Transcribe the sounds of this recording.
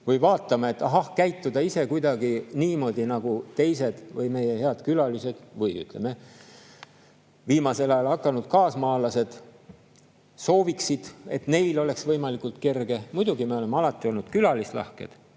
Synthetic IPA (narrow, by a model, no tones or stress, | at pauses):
vɤjvɑːt̪ːˑɑmɑe̞t̪ːˑɑɦɑhkæjt̪ːˑud̪ɑise̞kujd̪̥ɑɡ̥iniːmo̞ːd̪̥ʲinɑɡ̥ut̪e̞jse̞d̪̥vɯjme̞jehe̞ɑd̪kylɑlise̞d̪̥vɯjy̰t̪ˑleme | viːmɑse̞lɑjɑlɑkːɑnud̪̥kɑːsmɑːlɑse̞d̪̥ | so̞ːviksid̪̥et̪ne̞jlo̞le̞ksvɤjmɑlikˑult̪ke̞rɡ̥e̞mujd̪̥uɡimeole̞mːeɑlɑt̪ːˑio̞lnud̪kylɑlislɑ̰hkḛd̪̥